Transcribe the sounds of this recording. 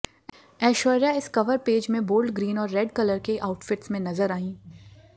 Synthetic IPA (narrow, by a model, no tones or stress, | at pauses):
ɛːʃɔːɾjaɪskɐʋəɾpeːd͡ʒmẽboːlɖɡɾiːnɔːɾːɛːɖkɐləɾkeʔaːʊʈfɪʈsmẽnɐzəɾaːĩː